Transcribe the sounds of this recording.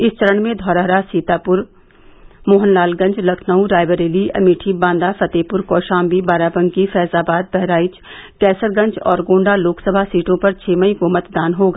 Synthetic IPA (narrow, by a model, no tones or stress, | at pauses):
ɪst͡ʃəɾəɳmẽd̪ʱɔːɾəɦɾasiːt̪aːpʊɾ | moːɦənlaːlɡɐ̃ɲt͡ʃlɐkʰnəũɖaːɪbəɾeːliɐ̰miːʈʰibãːnd̪afɐt̪eːpʊɾkɔːʃãːmbibaːɾaːbə̃ŋɡkifɛːsaːbaːd̪̚bɛɦɾaːɪt͡ʃkɛːsəɾɡɐ̃ɲt͡ʃɔ̰ːɾɡõːɳɖaloːksəbʱasiːʈõpɐɾt͡ʃʰeːmɐĩkomɐt̪d̪aːnɦoːɡaː